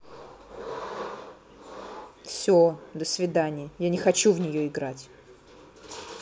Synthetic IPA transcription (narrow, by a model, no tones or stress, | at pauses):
fsʲod̪əsvʲɪd̪anʲɪjəjanʲɪxɐt͡ɕuvnʲɪjoɪɡɾatʲ